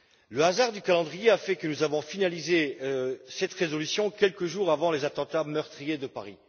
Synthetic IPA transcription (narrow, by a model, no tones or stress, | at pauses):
ləazaʁd̪ykalɑ̃d̪ʁijeafɛkənuzavɔ̃finalize | sɛt̪ʁezɔlysjɔ̃kʲɛlkəʒuʁavɑ̃lezat̪ɑ̃t̪amœʁt̪χijed̪əpaʁi